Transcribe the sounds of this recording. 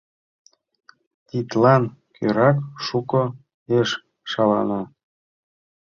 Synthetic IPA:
t̪ʲit̪lɑnkʰøɾɑkʃuko | eʃ | ʃɑlɑ̰no

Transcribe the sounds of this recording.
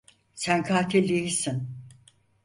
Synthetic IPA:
sænkʰaːt̪ʰilʲːijisin

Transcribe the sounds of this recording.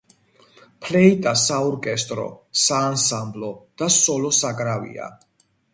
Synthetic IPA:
pʰlɛit̪ʼasaɔɾkʼɛst̪ʼɾɔ̰saːnsamblɔd̪̥asɔlɔsakʼɾavḭa̰

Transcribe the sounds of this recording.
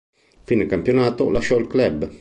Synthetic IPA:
finekampjonaːt̪olaʃɔilklɛb

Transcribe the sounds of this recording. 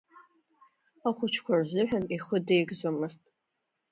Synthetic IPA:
aχʷʊt͡ʃʰkʷʰɔrzɨħʷᶣaniχədejɡzomɨstʼ

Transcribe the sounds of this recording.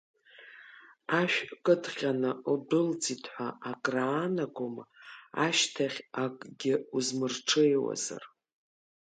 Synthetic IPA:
aʃᶣkʼɨdʰχʲanɨudɨld͡zitʰʼħʷaakʼraːnaɡʷomaʃtʰaχʲakʼɡʲɪuzmɨrʈ͡ʂʰejwa̰za̰r

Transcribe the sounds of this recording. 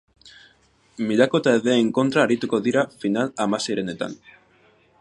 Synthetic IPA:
miʎako̞t̪aeðeːŋko̞nt̪ɾaːɾit̪uko̞ðiɾafinalamase̞jɾe̞ne̞t̪a̰n

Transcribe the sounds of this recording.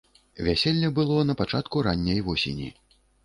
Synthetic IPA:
vʲasʲɛlʲnʲɐbɨlˠɔnɐpat͡ʂat̪kuɾanʲːɐjvɔsʲḛnʲḭ

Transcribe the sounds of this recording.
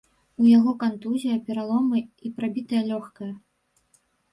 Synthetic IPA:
ujaɣɔkant̪uzʲijɐpʲɛɾalˠɔmɨipɾabʲit̪ɐjɐlʲɔxkɐjɐ

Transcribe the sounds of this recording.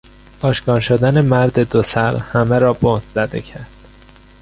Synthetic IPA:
ɒːʃkɒːɾʃod̪æne̞mæɾd̪e̞d̪osæɾhæmeɾɒːbohd̪zæd̪ḛcʰæɾd̪̥

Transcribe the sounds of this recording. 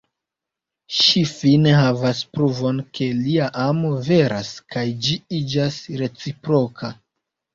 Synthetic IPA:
ʃifine̞ɦavaspɾuvo̞nkʰe̞liaʔamo̞ve̞ɾa̰skʰajd͡ʒiid͡ʒasɾe̞t͡sipɾo̞kʰa

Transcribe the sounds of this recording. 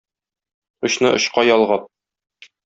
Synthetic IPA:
ŏɕnɤʔŏɕqɑjɒlˠʁɑt̪̚

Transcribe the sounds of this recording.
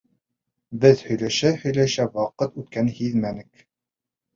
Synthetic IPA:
bɘðhɵ̆jlæʃæhɵ̆jlæʃæwɑqɤt̪ʉt̪kænhiðmænɘk

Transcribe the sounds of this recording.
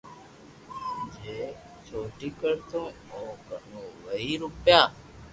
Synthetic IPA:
d͡ʒeː | t͡ʃʰoːʈiːkəɾt̪õː | oːkənõːʋəɦiːɾʊpjaː

